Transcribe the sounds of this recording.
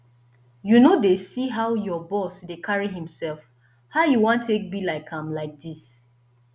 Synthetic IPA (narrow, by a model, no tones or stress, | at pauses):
junodesiɦaʊjɔbɔsdekʰaɹiɦĩmsɛlf | haʊjuwãntʰːek̚bilaɪkʰãmlaɪk̚dis